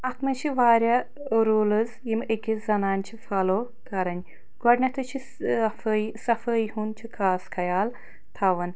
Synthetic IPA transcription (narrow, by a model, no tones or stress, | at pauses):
ɐt̪mɐt͡ʃʰiʋaːɾʲa | ɾoːlɨzjimekʲizɐnaːnt͡ʃʰifɐloː | kɐɾɐnʲ | ɡɔɖnʲɐt̪ʰɨt͡ʃʰi | fɐjsɐfəjhunt͡ʃʰikʰaːskʰɐjaːl | t̪ʰaʋɐn